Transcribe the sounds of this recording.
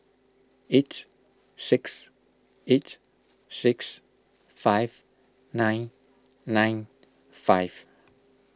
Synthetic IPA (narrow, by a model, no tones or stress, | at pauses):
etː | ɪks | et | sɪks | fajv | nãj̃nː | ãj̃n | faɪv̥